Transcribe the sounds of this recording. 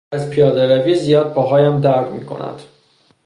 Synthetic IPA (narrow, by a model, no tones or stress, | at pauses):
æzpʰijɒːd̪eɾæviːzijɒːd̪̚bʰɒːɦɒːjæmd̪æɾɡmiːkʰo̞̰næ̰d̪̥